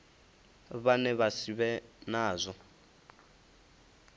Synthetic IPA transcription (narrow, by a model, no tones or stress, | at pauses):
βanɛβasiβɛnaːzʷɔ